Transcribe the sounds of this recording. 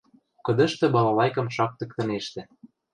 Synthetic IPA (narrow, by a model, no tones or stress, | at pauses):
kɤ̆d̪ɤ̆ʃt̪ĕbɑlɑlɑjkɤ̆mʃɑk̚t̪ɤ̆k̚t̪ɤ̆neʃt̪ĕ